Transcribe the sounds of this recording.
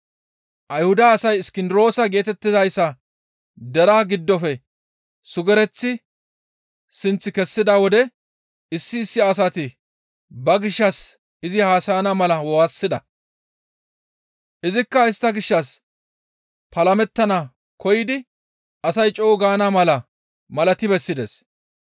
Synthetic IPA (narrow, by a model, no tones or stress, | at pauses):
ʔɐjhʊd̪ɐːsɐjɪskɪnd̪ɪɾo̞ːsɐɡe̞ːt̪ɛt̪ːɪzɐjsːɐ | d̪ɛɾaːɡɪd̪ːɔfɛ | sʊɡɛɾɛt͡sːɪ | sɪnt͡sːɪkɛsːɪd̪awɔd̪ɛ | ɪsːɪːsːɪɐs̬ɐt̪ɪ | bɐɡɪʃːɐs | ɪzɪhaːsɐjnamɐlɐwɔwasːɪd̪ɐ | ʔɪzɪkːɐɪst̪ːɐɡɪʃːɐs | pɐlɐmɛt̪ːɐnɐ | kʰɔjɪd̪ɪ | ɐsɐjt͡ʃʼoːɡaːnamɐlɐ | mɐlɐt̪ɪbɛsːɪd̪ḛs